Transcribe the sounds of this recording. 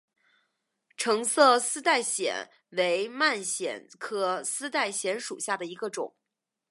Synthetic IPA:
ʈ͡ʂʰɤ˧˥ŋsɤ˥˧sɹ̩˥t̪a˥˩ɪɕjɛ̰˨˩˦n | we˧˥ɪma˥˩nɕjɛ̰˨˩nkʰɤ˧˥sɹ̩˥t̪a˥˩ɪɕjɛ˧˥nʂu˨˩ɕja˥˩d̪ə˩i˧˥ɡə˧ʈ͡ʂʊ̰˨˩˦ŋ

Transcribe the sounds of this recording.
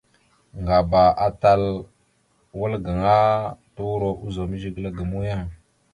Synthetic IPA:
ŋɡa˨ba˨a˦ta˦l | wə˦lɡə˨ŋa˦tu˦wɾo˦ʔu˦zo˨mə˦ʒi˦ɡla˦ɡə˨mu˦ja˦ŋ

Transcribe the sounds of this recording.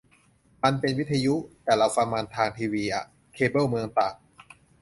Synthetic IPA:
ma˧npe˧nwi˦˥t̪ʰa˧ju˦˥t̪ɛː˨˩ɾa˧wfa˧ŋmaː˧nt̪ʰaː˧ŋt̪ʰiː˧wiː˧ʔa̰˨˩ | kʰeː˧bɤː˥˩mɯ˧əŋt̪aː˨˩k̚

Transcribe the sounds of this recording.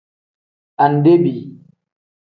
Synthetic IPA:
ʔa˨nde˦bi˨

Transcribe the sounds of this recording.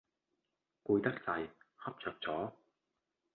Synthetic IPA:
kuː˧jt̪ɐ˥k̚t͡sɐ˧jhɐ˥p̚t͡sœː˨k̚t͡sɔː˨˥

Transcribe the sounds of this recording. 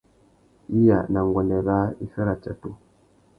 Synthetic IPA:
i˦ja̰˨na˨ŋ˨ɡwɔ˨lɛ˨βa˦i˦fɛ˦ɾa˨t͡ʃa˨tu˦

